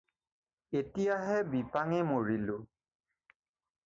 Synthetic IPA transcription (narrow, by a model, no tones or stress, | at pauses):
etijaɦɛbipaŋɛmoɹilʊ